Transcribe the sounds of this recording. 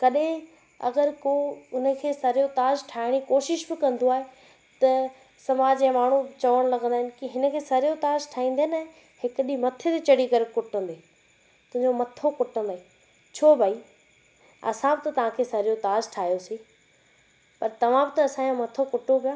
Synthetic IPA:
kɐɗẽ | ɐ̰ɡəɾkoːʊnə̆kʰeːsɐɾɪjot̪aːzʈʰaːɦɪɽ̃ikoːʃɪʃbɪkɐ̃nd̪oaːɦe | t̪ɐ | sɐmaːd͡ʑɛ̃maːɳ̤ut͡ɕɐʋəɽ̃lɐɡə̃nd̪aːɦɪ̃nɪ̆kɪɦɪnə̆kʰeːsɐɾijot̪aːzʈʰaːĩːn̆d̪enɐ | hɪkɗimɐt̪ʰet̪et͡ɕɐɽ̤ikɐɾɪkʊʈʰə̃nd̪eː | t̪ʊ̃ɦɪ̃ɲd͡ʑomɐt̪ʰokʊʈʰə̃nd̪aːĩ | t͡ɕʰoːbʱaːi | ɐ̰sãbɪt̪ɐt̪ɐʋ̤ãkʰeːsɐɾijot̪aːzʈʰaːɦijoseː | pɐɾt̪ɐʋ̤ãbɪ̆t̪ɐɐsãjõmɐt̪ʰokʊʈʰopijãː

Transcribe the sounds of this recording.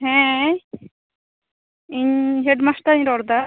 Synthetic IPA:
ɦɛ̃ | iɲɦeɖmasʈ̪aiɲɾɔɾd̪a

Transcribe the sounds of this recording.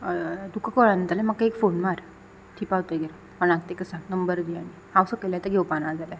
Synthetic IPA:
d̪ukʰakɔɭanət̪alẽmakːaekfonmaɾ | t̪ʰiːpaʋwt̪əɡeɾ | pəɽaɡ̚t̪ekəsanəmbəɾɡ̪ianihawsəkelat̪əɡeʋpanaɾd͡zala

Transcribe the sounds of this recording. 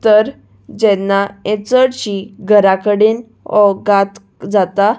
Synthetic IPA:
t̪əɾ | d͡ʑɛnːaɛ̃t͡səɽɕiɡʱəɾakəɽen | ɔɡat̪ | d͡zat̪a

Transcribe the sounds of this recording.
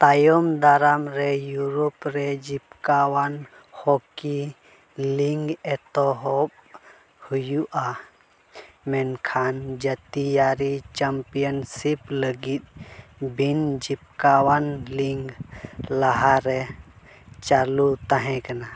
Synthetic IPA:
t̪ajɔmd̪aɾamɾɛjuɾɔpɾɛd͡ʒipkawan | hoki | liŋɡɛt̪ɔɦɔb | hujuʔa | mɛnkʰand͡ʒət̪ijaɾit͡ʃampijənsipləɡit̪̚bʱind͡ʒip̚kawanliŋɡlaɦaɾɛ | t͡ʃalut̪aɦɛ̃kana

